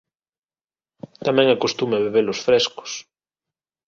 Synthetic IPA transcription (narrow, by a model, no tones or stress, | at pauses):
t̪amɛ̃ŋakost̪umeβeβelosfɾesko̥s